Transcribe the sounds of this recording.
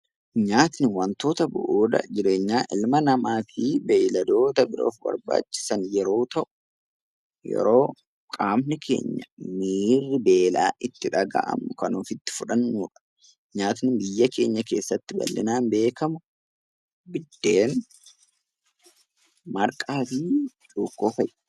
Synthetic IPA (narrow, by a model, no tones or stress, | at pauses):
ɲaːt̪nɪwɐnt̪o̞ːt̪ɐbʊ̰ʔuːd̪ɐ̰d͡ʒɪɾe̞ːɲːaːʔɪlmɐnɐmaːfibɛjlɐd̪o̞ːt̪ɐbɪɾo̰ːfbɐ̰ɾba̰ːt͡ʃːɪ̥sɐnjɛɾo̞ːt̪ɐʔʊ̥ | jɛ̰ɾo̞ː | kʼaːmnɪkʰe̞̰ːɲːɐmiːrːɪbe̞ːla̰ːʔɪt̪ːɪᶑɐɡa̰ʔɐ̰mːʊkɐnuːfɪt̪ːɪ̥fʊᶑɐnːuːᶑɐ̥ | ɲaːt̪nɪbɪjːɐkʰe̞ːɲːɐke̞̰ːsːɐt̪ːɪbɐ̰lːɪ̰naːmbe̞ːkɐmʊ | bɪd̪̥ːe̞ːn | mɐɾkʼaːfi | t͡ʃʼuːkːo̞ːfɐjʔ